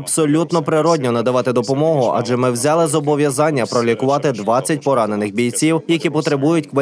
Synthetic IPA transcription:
b̥sɔlʲut̪nɔpɾɪɾɔdʲnʲɔnɐd̪ɐʋɑt̪ɪd̪ɔpɔmɔɦʊʔɑ̰d͡ʒɛmɪwzʲɑlˠɪzɔbɔʋʲjɐzɑnʲːɐpɾɔlʲikʊʋɑt̪ɪd̪ʋɑt͡sʲːɐtʲpɔɾɑnenɪxbʲijt͡sʲiwjɐkʲipɔt̪ɾebujʊtʲkʋɐ

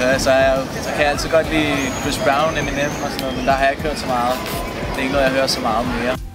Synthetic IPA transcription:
høɐsɒ | sɒkʰæjaæl̰t͡sʰiɡ̥ɒd̥lḭːkʰɪsb̥ʁäʊniminemmɒsɔnːoðˠmend̥ɑ̈hɑjae̝ɡ̥høɐ̰d̥sɒ̽mɑ̈ːð̩ˠ | d̥eeɡ̥noːðˠjaɪɦøːɐsɒmɑ̈ːð̞̩ˠme̝ːɐ

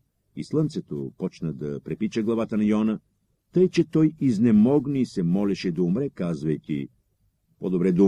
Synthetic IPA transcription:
ḭslˠənt̪sɛt̪o̰pɔt͡ʃnəd̪ɐpɾɛpit͡ʃəɡlˠɐvat̪ənɐjɔnə | t̪əjt͡ʃɛt̪ɔjiznɛmɔɡniisɛmɔlʲɛʃɛd̪ɐumɾɛkazvɐjt̪ʲḭ | pod̪obɾɛd̪u

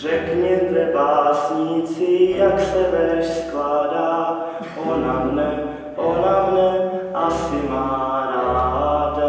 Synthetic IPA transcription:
rɛkɲɛt̪ɛbaːsɲiːt͡sɪjaksɛvɛɾɛʃsklaːdaː | ʔonamnɛ | ʔonamnɛʔasɪmaːɾaːɦada

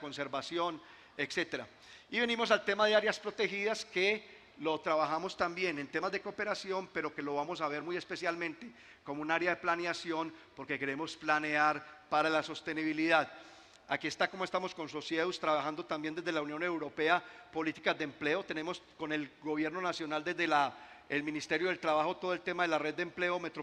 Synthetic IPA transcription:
konseɾbasjo̞n | e̞kse̞t̪e̞ɾa | iβe̞nĩmo̞s̬alt̪e̞mað̞eaɾjaspɾo̞t̪e̞xiðaske | lo̞t̪ɾaβaxamo̞st̪ambje̞ne̞nt̪e̞mazd̪eko̞pe̞ɾasjo̞mpe̞ɾo̞ke̞lo̞βamo̞s̬aβ̞e̞ɾmuje̞spe̞sjalmẽnt̪e̞ | komounaɾjaðe̞planeasjo̞npo̞ɾke̞ke̞ɾe̞mo̞splane̞aɾpaɾalaso̞st̪e̞niβiliðað | akiest̪akomoest̪amo̞sko̞nso̞sjeust̪ɾaβaxand̪o̞t̪ambje̞nd̪ezd̪elaunjõ̞ne̞wɾo̞pe̞apo̞lit̪i̥kazd̪emple̞ot̪e̞ne̞mosko̞ne̞lɡo̞βje̞ɾno̞nasjo̞nald̪e̞zd̪ela | elminist̪e̞ɾjo̞ð̞elt̪ɾaβaxo̞t̪o̞ð̞oelt̪e̞maðe̞lare̞ð̚d̪empleome̞t̪ɾo

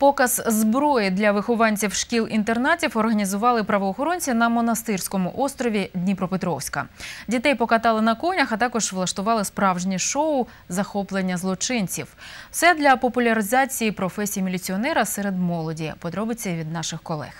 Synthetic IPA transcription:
pɔkɐz̥zbɾɔjɪd̪lʲɐʋɪxɔʋɑnʲt͡sʲiwʃkʲilˠʔint̪ernɑtʲiwɔrɦɐnʲizʊʋɑlˠɪpɾɐʋɔːxɔɾɔnʲt͡sʲinɐmɔnɐst̪ɪrsʲkɔmʊʔɔst̪ɾɔʋʲid̪ʲnʲipɾɔpɪt̪ɾɔwsʲkɐ̰dʲit̪ɛjpɔkɐt̪ɑlˠɪnɐkɔnʲɐxɐt̪ɑkɔʒʋlˠɐʃt̪ʊʋɑlˠɪspɾɑwʒnʲiʃɔʊ | zɐxɔplˠenʲːɐzlˠɔt͡ʃɪnʲt͡sʲiwsɛd̪lʲɐpɔpʊlʲɐɾɪzɑt͡sʲijipɾɔfɛsʲijmʲilʲit͡sʲiɔnɛɾɐsɛɾed̪mɔlˠɔdʲipɔd̪ɾɔbɪt͡sʲːɐʋʲid̪nɑʃɪxkɔlˠɛ̰x

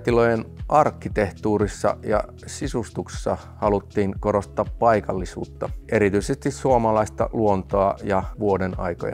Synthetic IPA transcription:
t̪ilojenʔɑrkːit̪eht̪uːɾisːɑ̰jɑ̰ | sisust̪ukssːɑ | hɑlut̪ːiːŋkoɾost̪ːˑɑːppɑikɑlːisṵːt̪ːɑʔeɾit̪yisest̪issuomɑlɑist̪ɑ̰luont̪oɑjɑʋuodenɑ̰iko̰jɑ̰

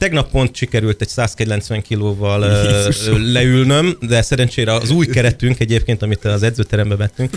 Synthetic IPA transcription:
t̪ɛɡnɒpːo̞n̪t̪ʃikɛɾylt̪ɛɟsaːskɛɟlɛnsʋɛŋkiloːvɒl | lɛylnø̞md̪ɛsɛɾɛnt͡ʃeːɾɛːzuːjkɛɾɛt̪yŋkɛɟeːp̚keːnt̪ɒmit̪ɒzɛd̪zøːt̪ɛɾɛmbɛvɛt̪ːyŋk

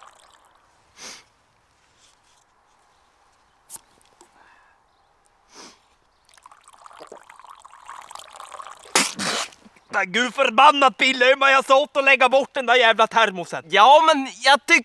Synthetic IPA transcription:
aɡʉːfœɾbanːat̪̚bɪlːəʏmajasɔlt̪ɔlɛɡːabɔʈ̚ːɖɛnd̪æɾjæːvlat̪ʰæɾmʊsət̪jɑːmɛnjɑɡt̪ʏ

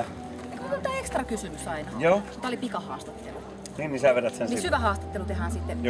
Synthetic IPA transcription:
ekookont̪æːekst̪rɑkysymysɑinɑjoːut̪ːæolipikɑhɑːst̪ɑt̪ːḛlu | niːnisæˑʋeɾæt̪sennisyʋæhɑːst̪ɑ̥t̪ːelut̪eɦæːnsit̪ːe

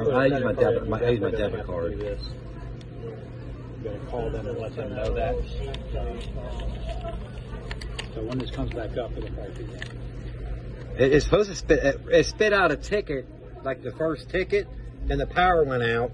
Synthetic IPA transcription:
aɪjʉzmaɪdɛmaɪʔaɪjʉzmaɪdɛbɨ̃kʰɑɹjɛs | ɡʌɨkʰɔlˠðɨ̃mə̃nlɛt̪̚ðɨ̃mnoʊðæt̚ | soʊwə̃nðɨskʰʌ̃mzbækʌpɨðɨbʰakɨɡæ̃ | ɪɾɪtsə̥pʰoʊz̥tʰɨspɪɾɪɪtspɪɾaʊɾɨtʰɪkɨt̚ | laɪk̚ðɨfɜ˞stʰɪkɨt̚ðɨ̃nðɨpʰaʊə˞wɛ̃ɾ̃aʊt̚

